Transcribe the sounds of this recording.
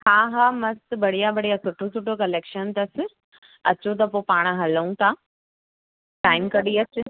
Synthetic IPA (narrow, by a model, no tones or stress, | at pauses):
haːɦaːmɐst̪bɐɽ̤ijabɐɽ̤ijasʊʈʰosʰʊʈʰokɐleːkʃənt̪ɐsɪ | ɐt͡ɕot̪̬ɐpopaːɽ̃ɦɐləũt̪ʰaː | ʈaːɪmkɐɗiɐt͡ɕʊ̆